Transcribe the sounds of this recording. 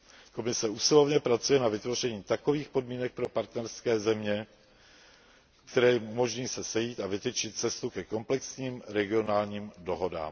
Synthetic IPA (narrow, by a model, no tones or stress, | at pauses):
ko̞mɪsɛusɪlo̞vɲɛpɾat͡sujɛnavɪt̪vo̞r̝ɛɲiːt̪ako̞viːxpo̞dmiːnɛk̚pɾo̞paɾt̪nɛɾskɛːzɛmɲɛ | kt̪ɛɾɛːumo̞ʒɲiːsɛsɛjiːt̪avɪt̪ɛt͡ʃɪt̪̚t͡sɛst̪ukɛko̞mplɛksɲiːmɾɛɡɪo̞naːlɲiːmdo̞ɦo̞da̰ːm